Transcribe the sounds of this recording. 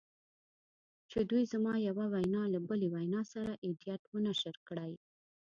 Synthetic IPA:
t͡ʃed̪ujzamɑjawawajnɑlabəlewajnɑsaɾaʔɪd̪ijat̪wənaʃəɾkɽaj

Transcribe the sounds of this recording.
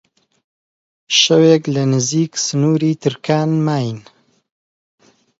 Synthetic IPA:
ʃɐweːklɐnɨziːksɨnuːɾiːt̪ʰɨɾkʰaːnmaːjin

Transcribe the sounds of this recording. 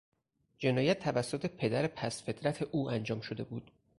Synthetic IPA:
d͡ʒe̞nɒːjæt̪ʰːævæsːo̞t̪ʰe̞pʰe̞d̪æɾepʰæsfe̞t̪ʰɾæt̪ʰe̞ʔuːænd͡ʒɒːmʃod̪e̞buːd̪̥

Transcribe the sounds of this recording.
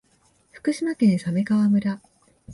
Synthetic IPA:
ɸɯ̟̥kɯ̟ɕimakẽɰ̃same̞ɡaβamɯ̟ɾa

